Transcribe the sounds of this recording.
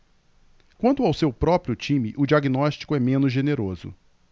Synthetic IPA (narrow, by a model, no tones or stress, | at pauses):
kwɐ̃nt̪ʊawsewpɾɔpɾiʊt͡ʃĩmɪʔʊd͡ʒiaɡinɔʃt͡ʃi̥kʊɛmẽnʊzʒeneɾozʊ̰